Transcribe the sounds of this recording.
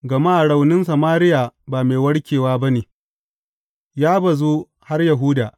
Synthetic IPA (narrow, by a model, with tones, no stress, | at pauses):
ɡɐ˨maː˦ʔɽa˨wnɪ˦nsɐ˨maː˦ɾɪ˦jaː˨baː˨meː˨wɐ˦ɽkʲeː˨waː˦bɐ˦neː˨ | jaː˦bɐ˨zuː˦ | ha˦rjɐ˨ɦʊ˦daː˨